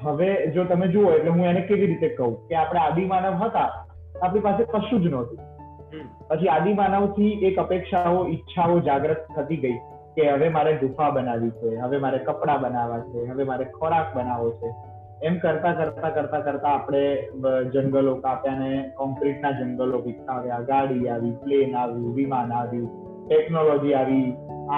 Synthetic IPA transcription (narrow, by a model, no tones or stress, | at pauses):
ɦəʋed͡ʒot̪əmed͡ʒuoeʈleɦũenekeʋiɾit̪ekəɦũkeapəɽ̃ead̪imanəʋɦət̪a | apɽ̃ipasepəʃud͡ʒnɔt̪ʰi̥ | pət͡ʃʰiad̪imanəʋt̪ʰiʔekəpekʃaoitːʃʰaod͡ʒaɡɾət̪tʰːət̪iɡəi | keɦəʋemaɾeɖʱufʰabənaʋit͡ʃʰeɦəʋemaɾekəpɽabənaʋat͡ʃʰeɦəʋemaɾekʰɔɾak̚bənaʋot͡ʃʰe | ɛmkəɾt̪akəɾt̪akəɾt̪akəɾt̪aːpɽ̃ed͡ʒəŋɡəlokapjanekɔ̃mkɾiʈnad͡ʒəŋɡəlopit̪ʰːaʋjaɡaɽiaʋiplenaʋjũʋimanaʋjĩ | ʈɛknolɔd͡ʒiaʋia